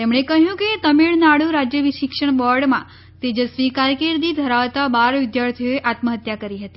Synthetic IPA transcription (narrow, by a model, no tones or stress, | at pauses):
t̪emɳ̃ekəɦjũket̪əmiɭnaɽũɾad͡ʒjəʋiʃɪkʂəɳ̃bɔɾɖmã̰ | t̪ed͡ʒəsʋikaɾkeɾd̪id̪ʱəɾaʋt̪abaɾʋɪd̪jaɾt̪ʰijoeʔat̪məɦət̪jakəɾiɦət̪i